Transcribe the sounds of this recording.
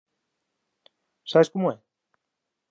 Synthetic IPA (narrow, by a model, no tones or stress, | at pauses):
saβeskomoe